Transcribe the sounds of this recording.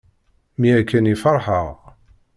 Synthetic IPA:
miækːænifɑɾˤħəʁ

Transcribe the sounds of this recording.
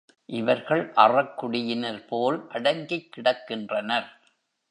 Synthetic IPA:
ʔɪʋɐɾɣɐɭʔɐrɐkːʊɽɪjɪnɐɾpoːlʔɐɽɐŋɡɪkːɪɽɐkːɪndrɐnɐɾ

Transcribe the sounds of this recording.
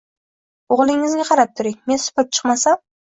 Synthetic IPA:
oʁlˠɪŋːɪzɡʲaqʰɑɾap̚t̪ʰʊɾɪŋme̞nsʊ̥pɪp̚t͡ʃʰɨ̥qmasam

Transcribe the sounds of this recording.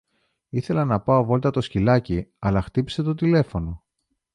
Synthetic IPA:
iθe̞lɐnɐpɐovo̞lt̪ɐt̪o̞scilɐciɐlɐxt̪ipi̥se̞t̪o̞t̪ile̞fo̞no̞

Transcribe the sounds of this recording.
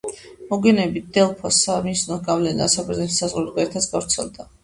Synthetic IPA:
mɔɡɛnɛbid̪ɛlˠpʰɔsamisnɔɡavlɛna̰sabɛɾznɛt̪ʰi̥sazʁɾud̪ɡɛɾɛɾt̪ʰat̪sɡ̥avɾt̪sʰɛ̰lˠd̪a

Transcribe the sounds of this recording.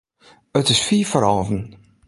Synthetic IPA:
ətɪsfiːfəɾɔːvən

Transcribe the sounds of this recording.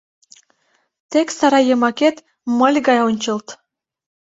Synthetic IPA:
t̪eksɑɾɑjəmɑket̪ | məlʲɣɑjonʲt͡ɕəlt̪

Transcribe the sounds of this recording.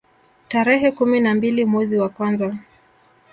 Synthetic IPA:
taɾɛɦɛkuminambilimwɛziwakwanza

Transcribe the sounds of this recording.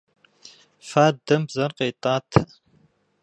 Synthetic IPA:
faːd̪ɐmbzɐrqeːt̪ʼaːt̪ʰɐ

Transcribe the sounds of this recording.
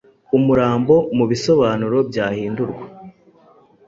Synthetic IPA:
umuɾaːmbo̞muβiso̞βaːnuɾo̞bjaːhiːnduɾɡwa

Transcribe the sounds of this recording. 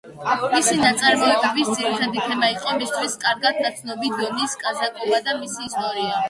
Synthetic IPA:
misinat̪sʼaɾmɔt̪ʼɛbisd̪ziɾit̪ʰɛd̪it̪ʰɛmaiqʼɔmist̪ʰwiskʼaɾɡad̪̚d̪at̪sʰnɔbid̪ɔniskʼazakʼɔbad̪amisiːst̪ʼɔɾia

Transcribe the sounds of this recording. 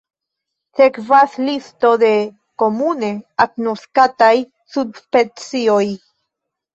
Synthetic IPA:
θekvaslist̪oðe | komuneaknoskat̪aj | subspet͡sioj

